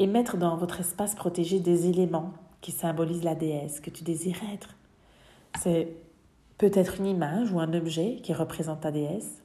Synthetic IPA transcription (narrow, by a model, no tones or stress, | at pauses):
emɛt̪χəd̪ɑ̃vɔt̪χɛspaspχɔt̪eʒed̪ezelemɑ̃kʲisɛ̃bɔlizlad̪eɛskət̪yd̪eziʁɛt̪χ | sɛ | pøt̪ɛt̪χynimaʒuɛ̃nɔbʒɛkʲiʁəpχezɑ̃t̪ːad̪eɛs